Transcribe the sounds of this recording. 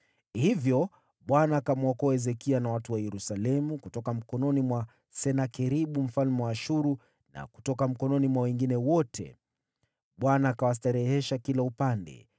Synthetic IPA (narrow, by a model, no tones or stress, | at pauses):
hivjɔ | ɓwanaːkamɔkɔɛzɛkianawatuwajɛɾusalɛmukutɔkam̩kɔnɔnimwa | sɛnakɛɾiɓum̩falmwaːʃuɾu | na̰ku̥tɔkam̩kɔnɔnimwawɛŋɡinɛwɔtʰɛ̰ | ɓwanaːkawas̬taɾɛhɛʃakilaupandɛ̰